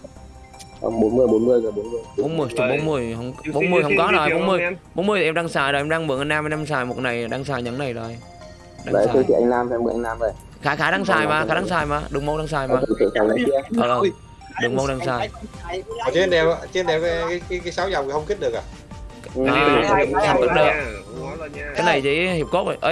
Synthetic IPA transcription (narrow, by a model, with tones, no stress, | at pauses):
ʔə̰˧ŋ͡mɓo˨˦nmɨ˧əjɓo˨˦nmɨ˧əjɨː˨˩ɓo˨˦nmɨ˧əjɓo˨˦nmɨ˧˩ə˨jt͡ɕɨ˨˧˩ɓo˨˦nmɨ˧˩əjhə˧wŋ͡mɓo˨˦nmɨ˧˩əjhə˧wŋ͡mkɔ˨˦no˨˩jɓo˨˦nmɨ˧əjɓo˨˦nmɨ˧əj̪ʰɗaː˧ŋsaː˧˩jzo˨˩ʔmɗaː˧ŋmɨ˨˩əŋʔa˧jnaː˧ma˧˦naː˧msaː˨˩jmo˨˩t̚na˨˩jɗaː˧ŋsaː˧˩jɲa˨˦ŋna˨˩jzo˨˩j | ɗa̰ː˧˨˦i˧˦tʰḭ˧˨ʔa˧ŋlaː˧mʰ˧mɨ˨˩˦ʔa˧ŋnlaː˧mvə˨˩j | xaː˨˦xaː˨˦ɗaː˧ŋsaː˧˩jmaː˨˩xaː˨˦ɗaː˨˧ŋsaː˧˩jmaː˨˩ɗɨ˨˩ŋ͡mmo˧wɗa˧ŋsaː˧˩jmaː˨˧˨t̪ʰḭ˧˨˩saː˨˩jɲə˨˦ki˧əʔʔəː˨˩ʔəː˧˩ | ɗɨ˨˩ŋŋ͡mmo˧˦wɗaː˧ŋsaː˧˩j | ɔ˨˩t͡ɕnɛ˧wt͡ɕnɗɛ˧˩wkːkːkaː˨˦kaː˨˦jsaː˨˦wza˨˩wŋ͡mʰhə˧wŋ͡mki˦˥t̚ɗək̚ʔaː˨˩˨ | ʔaː˨˩˨t̪ʰa˨˧˩kt̚ɗɨ˨˩ə˨˦˨ | kaː˨˦jna˨˩jt͡ɕḭ˧˦hi˨˩əp̚ko˦˥t̚o˨˩ʔə˨˧˦